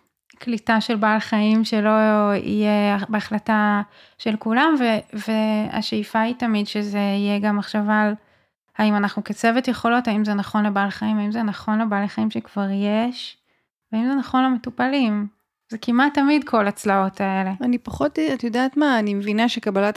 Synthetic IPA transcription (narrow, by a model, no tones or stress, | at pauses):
klitaʃe̞lbaːlχaimʃelo̞ḭjeabeaχlata | ʃe̞lkulamvevea̰ʃeifaitamidʃezeijeɡamːaχʃaval | haimanaχnuket͡sevetjeχo̞lo̞taimzenaχo̞nlebalχaimaimzenaχo̞nlebaleχaimʃekv̥aʁjeʃ | veaimzenaχo̞nlemetupalim | zekimatːamidkʰo̞laːt͡slao̞tʰae̞le̞anipaχotatjodaːtmaːnimevinaʃekabalat